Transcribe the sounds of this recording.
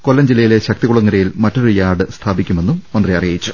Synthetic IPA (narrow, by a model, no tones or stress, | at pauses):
ko̞lːɐmd͡ʑilːɐjile̞ɕɐk̚t̪ikuɭɐŋːɐɾɐjilmɐtːo̞ɾujaːɖɨst̪ʰaːbikʲːume̞nːummɐnd̪riɐrijɐjit͡ɕːu̥